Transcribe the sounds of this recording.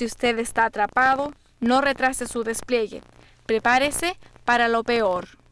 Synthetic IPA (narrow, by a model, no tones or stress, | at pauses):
iust̪eðest̪aːt̪ɾapaðo | no̞re̞t̪ɾasesuðe̞splje̞ɣḛ | pɾepaɾese̞paɾalo̞peoɾ